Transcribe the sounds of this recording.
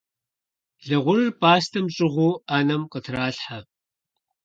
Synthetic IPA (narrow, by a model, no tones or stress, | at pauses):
ɮɨʁʷʊrpʰʼaːstʰɐmɕʼɪʁʷuːaːnɐmqətʰraːɬħa